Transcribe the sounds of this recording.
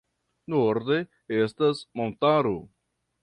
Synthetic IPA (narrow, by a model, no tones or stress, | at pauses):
noɾd̪e | estasmont̪aɾo